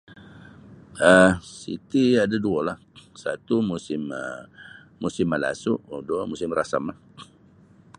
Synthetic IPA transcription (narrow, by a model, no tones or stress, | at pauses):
əsḭt̪iadaduəlahsat̪umusɪmə | musɪmːala̰suʔduamusɪmrasamlah